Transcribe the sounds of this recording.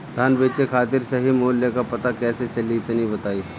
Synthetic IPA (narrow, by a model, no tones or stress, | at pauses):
d̪ʱaːnbeːt͡ʃekʰaːt̪iɾsɐɦimoːljəkapɐt̪akɛːset͡ʃɐliːt̪nibɐt̪aːiː